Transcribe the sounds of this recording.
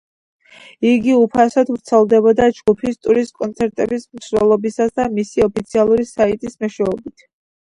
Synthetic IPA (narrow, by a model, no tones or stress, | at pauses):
iɡiupʰasad̪vɾt̪sʰɛlˠd̪ɛbɔd̪ad͡ʒɡupʰist̪ʼuɾiskʼɔnt̪sʰɛɾt̪ʼɛbismsɾɛlˠɔbisasd̪amisiɔpʰit̪sʰialˠuɾisait̪ʼismɛʃwɛɔbit̪ʰ